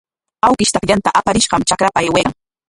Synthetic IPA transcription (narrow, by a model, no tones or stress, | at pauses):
awkɪʃt̪akʎant̪aʔapaɾɪʃɢɑmt͡ʃakɾapaajweɑŋ